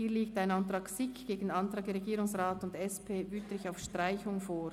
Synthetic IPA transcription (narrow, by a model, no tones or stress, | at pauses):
hiːɐliːk̚taɪnɑntʁɑːksɪkɡ̥eːɡn̩ɑntʁɑːk̚ɛɾeɡiːɾʊŋsʁaːtʊndɛspʰeːʔyːtlɪçaʊfʃtʁaɪçʊŋfoː